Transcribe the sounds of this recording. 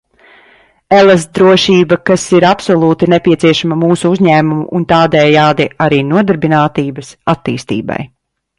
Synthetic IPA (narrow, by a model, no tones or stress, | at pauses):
elˠas̬t̪̚d̪ɾuɔʃiːbɐkasiɾapsɔlˠuːt̪inepʲiɛt̪siɛʃamamuːsuuzɲæːmumuʔunt̪aːd̪ɛjaːd̪iʔaɾiːnuɔd̪aɾbinaːt̪iːbɐsat̪ːḭːst̪ḭːba̰j